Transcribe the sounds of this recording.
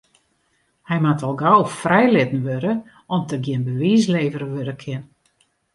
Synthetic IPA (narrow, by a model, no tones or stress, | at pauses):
hɛjmatʰɔlˠɡɔwfrɛjlɪtn̩ʋøɾə | ɔmtəɡjɪənbəʋiːs̬leːvərəʋøɾəkʰɪn